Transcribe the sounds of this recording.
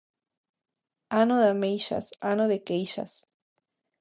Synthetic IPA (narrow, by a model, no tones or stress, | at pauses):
anoðamejʃa̰sanoðekejʃa̰s